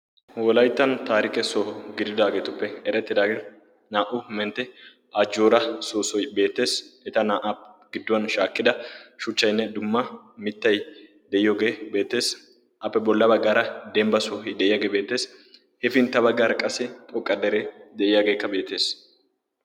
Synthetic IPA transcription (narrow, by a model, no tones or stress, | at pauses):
wɔlɐjt̪ːɐnt̪aːɾɪkɛsɔɡɪd̪ɪd̪aːɡe̞ːt̪ʊpːɛɛɾɛt̪ːɪd̪aːɡ | naːʔʊmɛnt̪ːɛ | ad͡ʒːoːɾɐsoːsɔjbe̞ːt̪ːe̞ːsɛt̪ɐnaːʔapɡ̥ɪd̪ːʊwɐnʃaːkːɪd̪ɐʃʊt͡ʃːɐjnːɛd̪ʊmːɐmɪt̪ːɐj | d̪ɛʔɪjoːɡe̞ːbe̞ːt̪ːe̞ːs | ʔɐpːɛbɔlːɐbɐɡːaːɾɐd̪ɛmbɐsɔɦɪd̪ɛʔɪjaːɡeːbe̞ːt̪ːe̞ːs | hɛfɪnt̪ːɐbɐɡːaːɾɐkʼɐsɛt̪ʼɔkʼːɐd̪ɛɾed̪ɛʔɪjaːɡe̞ːkːɐbe̞ːt̪ːe̞ːs